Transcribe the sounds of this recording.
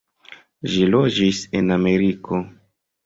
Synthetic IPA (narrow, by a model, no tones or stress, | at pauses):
ʒilod͡ʒise̞name̞ɾikʰo̞